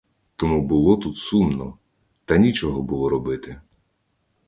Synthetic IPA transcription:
t̪ɔmubʊlˠɔt̪ut̪sumnɔ | t̪ɐnʲit͡ʃɔɦɔbʊlˠɔɾɔbɪt̪ɪ

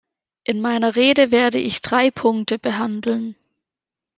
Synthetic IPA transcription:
ʔɪnmaɪnɐʁeːdəveːɐdəʔɪçd̥ʁaɪpʰʊŋk̚təb̥əɦandl̩n

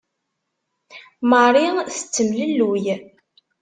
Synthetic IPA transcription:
mərˤiθə̥t͡sːəmləlːuj

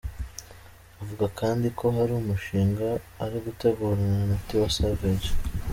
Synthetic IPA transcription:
uvuɡakaːndiko̞ɦaɾumuʃiːŋɡaːɾiɡute̞ɡuːɾananatiwasaɡaɟe

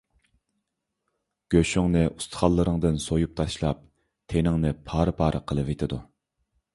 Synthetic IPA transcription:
ɡ̥ʲøʃyŋnɨʔust̪ʰɨ̥χɑlˠːəɾəŋd̪ɨnsojup̚t̪ʰɑʃlˠɑp̚ | t̪ʰenɪŋnɨpʰɑːɾɨpʰɑːɾəqʰəlˠɨvet̪ʰɪd̪u

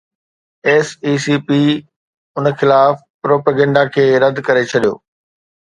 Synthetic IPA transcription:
eːsiːsiːpiː | ʊnxɪlaːf | pɾoːpəɡɛ̃ːɳɖakʰeːɾɐd̪ʱkɐɾet͡ɕʰɐɗijo̰ː

